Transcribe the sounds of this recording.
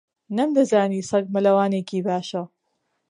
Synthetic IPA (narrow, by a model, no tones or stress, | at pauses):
nɐmd̪ɐzaːniːsɐɡ̚mɐlɐwaːneːkiːbaːʃɐ